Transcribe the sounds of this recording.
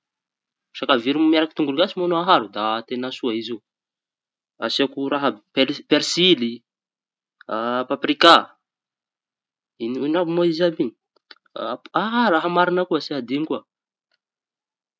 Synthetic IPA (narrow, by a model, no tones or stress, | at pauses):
ʃakaviɾumiaɾaki̥t̪uŋɡuluɡasimanoaɦaɾud̪at̪enasuaizi | asakuɾaɦəpepeɾsili | apaprika | ininabumoizabini | aɦaraɦəmaɾinəkuasiad̪iŋkua